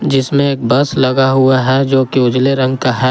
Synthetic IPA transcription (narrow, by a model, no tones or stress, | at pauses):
d͡ʒɪsmẽeːk̚bɐslɐɡaɦuaɦɛd͡ʒoːkiʊd͡ʒleɾɐ̃ŋɡkaɦɛː